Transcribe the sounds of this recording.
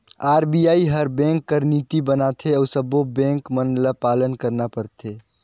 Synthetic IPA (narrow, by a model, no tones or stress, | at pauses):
aːɾbijaiɦəɾbɛ̃ŋkːəɾnit̪ibənat̪ʰeɔsəbobɛ̃ŋkmənləpalənkəɾnapəɾt̪ʰe